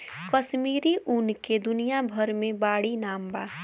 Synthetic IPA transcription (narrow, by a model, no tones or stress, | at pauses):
kəʃmiːɾiʔunked̪ʊnijabʱəɾmẽbaːɽinaːmbaː